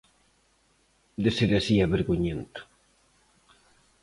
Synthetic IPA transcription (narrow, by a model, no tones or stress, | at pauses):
d̪eseɾasiaβeɾɣuɲent̪ʊ̥